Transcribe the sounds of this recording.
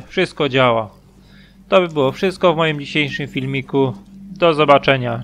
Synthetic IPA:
fʂɘst̪̚kɔd͡ʑawa | t̪ɔbɘbɘwɔfʂɘst̪̚kɔvmɔjimd͡ʑiɕejʂɘmfʲilmʲikud̪ɔzɔbat͡ʂɛɲa

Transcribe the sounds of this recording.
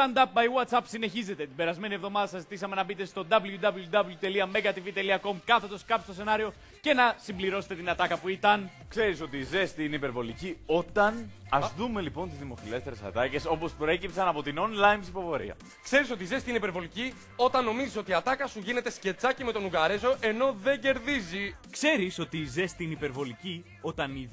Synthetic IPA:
tɐnd̪ɐp̚bɐjwɐt̪sɐpsine̞çize̞t̪e̞t̪ibe̞ɾɐzme̞nie̞vðo̞mɐðɐsɐzit̪isɐme̞nɐbit̪e̞st̪o̞d̪ɐbljud̪ɐblud̪ɐbljut̪e̞liɐme̞ɣɐt̪ivit̪e̞liɐko̞mkɐθe̞t̪oskɐpst̪o̞se̞nɐɾio̞ | ce̞nɐsimbliɾo̞se̥t̪e̞t̪inɐt̪ɐkɐpuit̪ɐn | kse̞ɾiso̞t̪iːze̞st̪ineipe̞ɾvo̞licio̞t̪ɐnɐzðume̞lipo̞nt̪izðimo̞file̞st̪e̞ɾesɐ̰t̪ɐce̞so̞po̞spɾoe̞cipsɐnɐpo̞t̪ino̞nlɐjmsipo̞fo̞ɾḭɐ̰ | kse̞ɾiso̞t̪ize̞st̪ineipe̞ɾvo̞lici | o̞t̪ɐnːo̞miziso̞t̪iɐt̪ɐkɐsuʝine̞t̪e̞sce̞t͡sɐcime̞t̪o̞nuɣɐɾezo̞ʔe̞no̞ðe̞ɟe̞ɾðizikse̞ɾiso̞t̪iːze̞st̪inipeɾvo̞lici | o̞t̪ɐni

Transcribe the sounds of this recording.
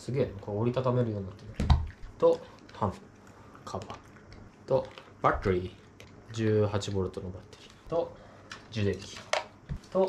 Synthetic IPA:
sɨɡe̞ːnkʰooɾʲit̪at̪ame̞ɾɯjo̞ːɲʲinat̪ːenat̪o̞ | t̪ʰãmpɯ | kʰaba | t̪o̞ | b̥at̪ːeɾʲi | d͡ʑɨːɦat͡ɕibo̞ɾɯt̪onobat̪ːe̥ɾʲi̥t̪o̞ | d͡ʑɨd̪et̪ikʲi̥ | t̪o̞

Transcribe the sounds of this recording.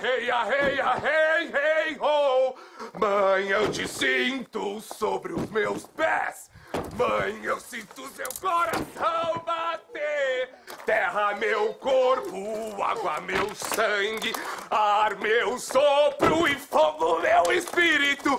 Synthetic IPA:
hejɐɦejɐɦejɦejɦowmɐ̃j̃ewd͡ʒɪsĩnt̪ʊsobɾɪʊzmewspɛs | mɐ̃j̃ewsĩt̪ʊzewklɔɾasɐ̃w̃bat̪e | t̪ɛɦɐmewkoɾpʊa̰ɡwɐmewsɐ̃ɡɪaɾmewsobɾʊɪfoɡʊmewɪspiɾit̪ʊ

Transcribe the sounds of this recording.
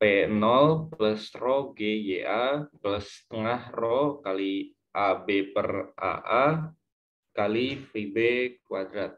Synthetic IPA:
pɛnɔlpləsrɔɡejeʔapələst̪əŋahrɔkali | ʔabepəra̰ʔa | kalipibekwad̪ɾat̪̚

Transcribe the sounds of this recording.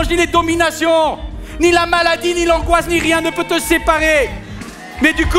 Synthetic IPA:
ʒniled̪ɔminasjɔ̃nilamalad̪inilɑ̃ɡwasniʁjɛ̃nəpøt̪əsepaʁe | mɛd̪yk

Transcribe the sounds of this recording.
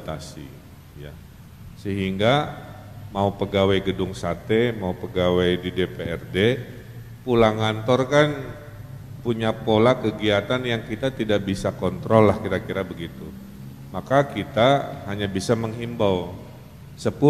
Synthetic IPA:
t̪asḭ | ja̰ | səɦiŋɡa | maupəɡawajɡədʊŋsat̪emaupəɡawajdidepeɛrde | pulaŋant̪ɔrkan | puɲapolakəɡiat̪anjaŋkit̪at̪idaʔbisakɔnt̪ɾɔlːahkiɾakiɾabəɡit̪u | makakit̪ahaɲabisaməŋɦimbaw | səpu

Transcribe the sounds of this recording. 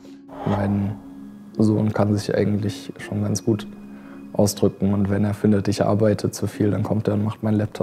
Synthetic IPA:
maɪn | zoːnkʰanzɪçʔa̰ɪɡŋ̩tlɪçʃoːnɡant͡sɡ̥uːt | ʔaʊsd̥ʁʏkŋ̩ʊntv̥ɛneːɐfɪndətɪçʔa̰ɐbaɪtʰət͡sufiːldankʰɔmteːɐʊntmaχtmaɪnlɛp̚tʰɔp

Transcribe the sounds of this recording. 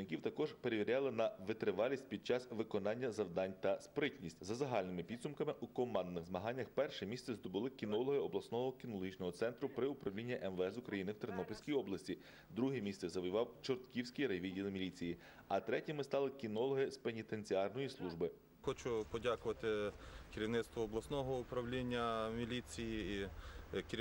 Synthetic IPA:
nɪkʲiwt̪ɐkɔʒpe̞ɾeʋʲiɾʲɑlˠɪnɐʋɪt̪ɾɪʋɑlʲisʲt̚ʲpʲid̪̚t͡ʃɑsʋɪkɔnɑnʲːɐzɐwd̪ɑnʲt̪ɐspɾɪtʲnʲisʲtʲzɐzɐɦɑlʲnɪmɪpʲid̪sʊmkɐmɪʔukɔmɑnd̪nɪxzmɐɦɑnʲːɐxpɛrʃɛmʲist̪sɛzd̪ɔbʊlˠɪkʲinɔlˠɔɦɪɔblˠɐsnɔɦɔkʲinɔlˠɦit͡ʃnɔɦɔt̪sɛnt̪ɾʊpɾɪʊpɾɐwlʲinʲːɐʔɛmʋɛɛsʊkɾɐjinɪwt̪ɾnɔpʲelʲsʲkʲijɔblˠɐsʲtʲi | d̪ɾuɦɛmʲist̪sɛzɐʋʊjʊʋɑwt͡ʃɔrt̪kʲiwsʲkʲijɾɐjʋʲidʲilˠɪmʲilʲit͡sʲiji | ɐt̪ɾɛtʲimɪst̪ɑlˠɪkʲinɔlˠɔɦɪspenʲit̪e̞nʲt͡sʲiɑrnɔjislˠuʒbɪ | xɔt͡ʃʊpɔdʲakʊʋɐt̪ɪkʲɪɾʲiʋnɪt̪st̪ʋɔːblˠɐsnɔɦɔʊpɾɐʋlʲinʲːɐmʲilʲit͡sʲijiikʲ

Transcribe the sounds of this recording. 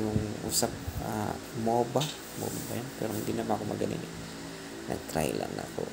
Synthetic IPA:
jʊŋʔṵːsap̚a̰ | moːba | moːbabajanpɛ̰ːɾoŋɡ̪ɪnɐwaʔkomɐɡɐnḭn | nʔɐ̰ɡ̚t̪ɾa̰jla̰nako

